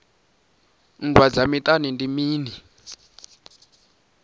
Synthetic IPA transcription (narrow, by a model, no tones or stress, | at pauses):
ndwad͡zamitʼanindimiːni